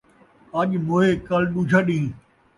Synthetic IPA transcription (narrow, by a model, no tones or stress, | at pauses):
əʄmoːɦeːkəlɗuːd͡ʒʱaɗĩː